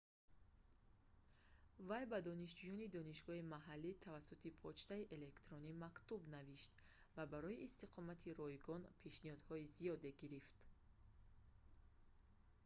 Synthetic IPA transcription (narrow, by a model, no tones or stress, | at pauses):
vajbad̪ɔniʃd͡ʒujɔnid̪ɔniʃɡɔimaɦalːit̪ʰavasut̪ʰipʰɔt͡ʃt̪aiʔe̞le̞kt̪ɾɔnimakt̪ubnaviʃt̪ | vabaɾɔiʔːst̪iqʰɔmat̪ʰiɾɔjɡɔnpʰe̞ʃnihɔd̪hɔizijɔd̪e̞ɡiɾift̪